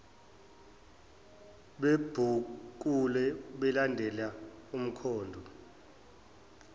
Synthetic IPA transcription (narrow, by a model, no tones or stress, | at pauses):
ɓeb̥ʱuk̬ulɛɓɛlandʱɛlaum̩kʰɔːndʱɔ